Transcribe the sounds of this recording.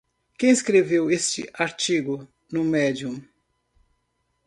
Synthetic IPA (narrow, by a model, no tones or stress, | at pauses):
kẽj̃skɾevewest͡ʃɪ̰ʔaɾt͡ʃiɡʊ | nʊmɛd͡ʒiũm